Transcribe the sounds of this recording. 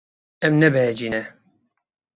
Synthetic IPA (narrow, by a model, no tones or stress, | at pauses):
ɛmnɛbɛɛd͡ʒiːnɛ